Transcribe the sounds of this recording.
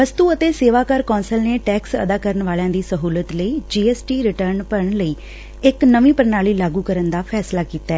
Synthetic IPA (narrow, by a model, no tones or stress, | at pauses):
ʋəst̪uːət̪eːseːʋaːkəɾkɔ̃ːnsəlneːʈɛːksə̰d̪aːkəɾəɳʋaːljãːd̪iːsəɦuːlət̪ləiːd͡ʒiːɛːsʈiːɾɪʈəɾnpəɳləiː | ɪknəʋĩːpəɾnaːliːlaːɡuːkəɾənd̪aːpʰɛːslaːkiːt̪aɛː